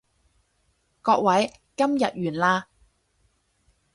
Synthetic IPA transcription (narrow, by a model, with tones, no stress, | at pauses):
kɔː˧k̚wɐ˨˥j | kɐ˥mjɐ˨t̚jyː˨˩nlaː˧